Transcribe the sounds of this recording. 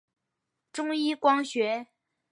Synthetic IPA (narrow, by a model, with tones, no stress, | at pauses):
ʈ͡ʂʊ˥ŋi˥kwɑ˥ŋɕɥɛ˧˥